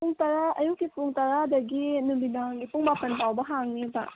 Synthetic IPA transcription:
puŋtɐɾaɐjukːipuŋtɐɾadɐɡinumbidaŋɡipuŋbapɐnpawbɐɦaŋniba̰

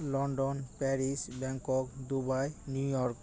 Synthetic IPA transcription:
lɔnɖɔnpɛɾisbɛŋkɔk̚d̪ubajnjujɔɾk

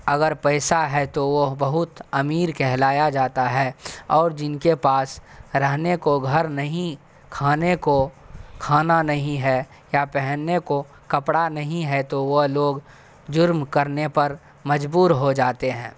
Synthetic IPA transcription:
ɐɡəɾpɛɪsaɦɛt̪oʋobɐɦʊt̪ɐmiːɾkɛɦlaːjad͡ʒaːt̪aɦɛːɔːɾd͡ʒɪnkepaːsɾɛɦnekoɡʱɐɾnɐɦĩ | kʰaːnekokʰaːnanɐɦĩɦɛ | japɛɦənːeko | kɐpɽanɐɦĩɦɛt̪oʋoloːɡ | d͡ʒʊɾmkɐɾnepɐɾ | mɐd͡ʒbuːɾɦod͡ʒaːt̪eɦɛ̃ː

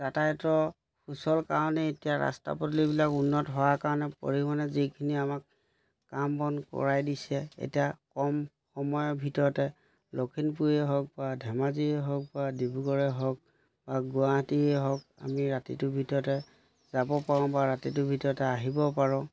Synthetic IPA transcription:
tatatɔ | pʰusɔlkaɹɔnɛetijaɹa̰sta̰pɔtlibilakunːɔtɦɔwakaɹɔnɛpo̰ɹimanɛzikʰiniamak | kambɔnkɔ̰ɹajdisɛḛtijakɔm | xɔmɔjɔbʱitɔɹɔtɛ | lokʰinpujɛɦɔk̚badʱɛmaziɛɦɔk̚badibuɡɔɹɛɦɔk̚ | baɡuaɦtiɛɦɔka̰miɹatḭtʊbʱitɔɹɔtɛ | z̥abɔpaɹɔ̃baɹatitʊbʱitɔɹɔtɛaɦibɔpaɹɔ̃

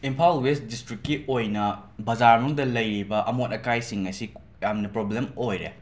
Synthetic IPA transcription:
impʰalwesdistɾikːiʔojnɐbɐzaɾnuŋdɐlɐjɾibɐʔɐmotɐkajsiŋɐsi | jamnɐpɾoblemojɾḛ

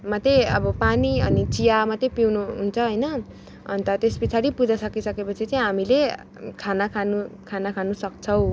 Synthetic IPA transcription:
mʌt̪eʌbʌpaniʌnit͡sijamat̪epiwnuɦunt͡sʰʌɦʌjnʌ | ʌ̰nt̪ʌt̪espit͡sʰaɾipud͡zasʌkisʌkepʌt͡sʰit͡saĩj̃ɦamile | kʰanakʰanukʰanakʰanusʌk̚t͡sʰʌw̃

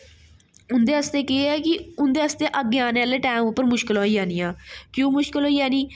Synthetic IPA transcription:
ʊnd̪eːəst̪eːkɪeɛːkɪʊnd̪eːəst̪eːʔəɡeaːneːleːʈɛːmʊpːəɾmʊʃkɪloːiːd͡ʒaːniːãːkjũːmʊʃkəlɦoːiːaːniː

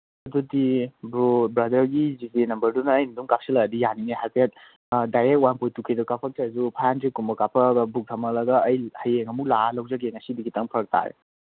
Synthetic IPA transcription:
ɐdudibɾobɾɐdɐɾɡizipenɐmbɐɾdunɐːjniduŋkap̚siladijanineɦajpʰiat̚ | dajɾek̚t̚wanpojtukʰidukapʰak̚tazupʰajantʰekumbɐkapʰɐɡɐbuk̚tʰamɐlɐɡɐːjhɐjeŋɐmuklalɐwzɐɡeŋɐsidiɡitaŋpʰɐɾək̚tʰa̰ɾḛ

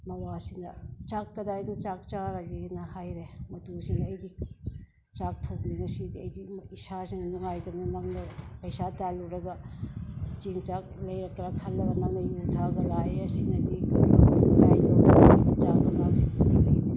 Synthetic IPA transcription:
mɐwasindɐt͡ʃakːɐdajdint͡ʃak̚t͡ʃaɾaɡinɐhajɾemɐtusinɐːjdi | t͡ʃak̚tʰɐwniŋɐsidiɐjdiisasinɐnuŋajtɐmnɐnɐŋnɐpɐjsataluɾɐɡɐ | t͡ʃiŋt͡ʃak̚lɐjɾɐk̚tɾakʰɐlːɐɡɐnɐŋnɐjutʰaɡɐlajɐsinɐdikɐlajnoadit͡ʃak̚mɐmaksiŋsʰibilɐji

